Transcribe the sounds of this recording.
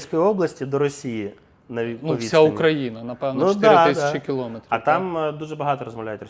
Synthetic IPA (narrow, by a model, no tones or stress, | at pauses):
sʲkɔjiɔblˠɐsʲtʲid̪ɔɾɔsʲiji | nɐnɔʋisʲaʊmkɾɐjinɐnɐpɛʋnud̪at̪ɪsʲt͡ʃɪkʲɪlˠɔmet̪ɾɐt̪ɑmd̪uʒɛbɐɦɑt̪ɔɾɔzmɐʋlʲæjɛtʲrɔ